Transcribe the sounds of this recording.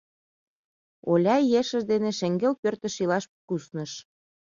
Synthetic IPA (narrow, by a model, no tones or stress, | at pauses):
olʲɑjeʃə̆ʃd̪eneʃĕŋɡelpørt̪ə̆ʃilɑʃpkusnə̆ʃ